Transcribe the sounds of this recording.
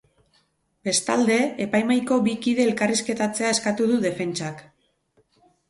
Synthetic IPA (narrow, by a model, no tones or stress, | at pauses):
b̥e̞st̪ald̪e̞ːpajmajko̞bikiðe̞ːlkariske̞t̪at͡se̞ae̞skat̪uðuðe̞fe̞nt͡ʃak